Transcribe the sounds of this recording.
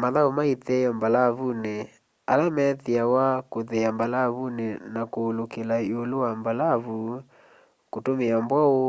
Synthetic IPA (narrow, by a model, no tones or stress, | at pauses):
maðaomaitɛjɔmbalaβune | a̰lamɛðiawakoðeambalaβunenakoːlokelaeolowambalaβu | kotomeambwao